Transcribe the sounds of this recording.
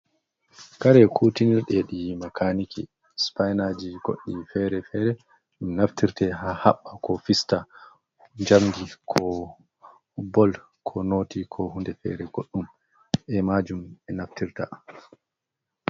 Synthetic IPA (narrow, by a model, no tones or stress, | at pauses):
kaɾɛkʰutiniɾɗɛɗimakʰaniki | spajnad͡ʒiɡ̥o̰ɗːifɛɾɛfɛɾɛ | ɗumnaftiɾtɛhahaɓːakɔfista | ɲd͡ʒamdikʰɔ | bɔl | kʰɔnoːtikʰɔhundɛfɛ̰ɾɛɡoɗːum | ʔɛmad͡ʒumɛnaftiɾta̰